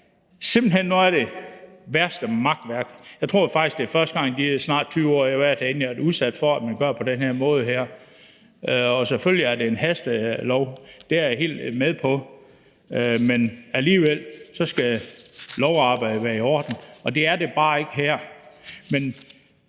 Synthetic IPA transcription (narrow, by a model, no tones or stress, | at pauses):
sem̰b̥l̩henːuæɐɾ̥e̝ʋæɐsd̥əmɑ̈ɡ̥̚d̥ʋæɐɡ̥jɑɪt͡sʰʁo̝ɐ̰fɑ̈ɡ̥isɡ̥d̥e̝fɶɐsd̥əɡ̥ɑ̈ŋ̰d̥iæsnɑ̰̈ːd̥t͡sʰyːʊɒ̰ːjɑʋæɐ̰t͡sʰæenliduðˠsæd̥fɒ̽æd̥mænɡ̥ɶɐ̰pʰɒ̽d̥enheɐ̰mɔ̽ːð̞̩ˠɦæɐ̰ | ɒ̽seføl̰jiæɐde̝ːnɦæsd̥lɒʊd̥e̝æɐjɑɦe̝̰ːld̥meðˠpʰɒ̽ | menæliːʋel̰sɒ̽sɡ̥æ | lɒʊɑ̈ːb̥ɑ̈ɪ̰d̥əʋæːɐiɒ̰ːd̥n̩ɒ̽d̥e̝æɐde̝b̥ɑ̈ːe̝ɡ̥əɦæɐ̰men